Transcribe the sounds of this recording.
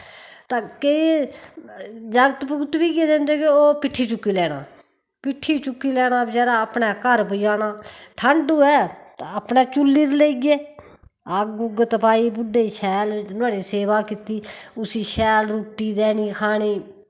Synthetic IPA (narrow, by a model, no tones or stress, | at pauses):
t̪ãːkei | d͡ʒəɡət̪pʊɡt̪ʋiːkeːd̪ẽːnd̪eːkeoːpɪʈʰːiːt͡ʃʊkːiːlɛːɽa̰ː | pɪʈʰːiːt͡ʃʊkːiːlɛːɽ̃ãːbd͡ʒɛːɾaːəpnɛːkəɾpʊjaːnaːʈʰəɳɖuːɛːt̪aəpnɛːt͡ʃʊlːiːɾleiɡeː | əkɡʊɡət̪paːiːbʊɖeːiːʃʰɛːlt̪ʊaːɽiːseːʋaːkɪt̪iːʊsiːʃɛːlɾuːʈːiːd̪ɛːniːkʰaːɽiː